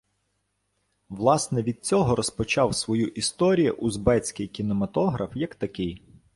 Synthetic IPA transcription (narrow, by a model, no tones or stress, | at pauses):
ʋlˠɑsnɛʋʲid̪̚t͡sʲɔɦɔɾɔspɔt͡ʃɑwsʋɔjuʔist̪ɔɾʲijʊʔuzbɛt͡sʲkɪjkʲinɔmɐt̪ɔɦɾɐfjɐkt̪ɐkɪj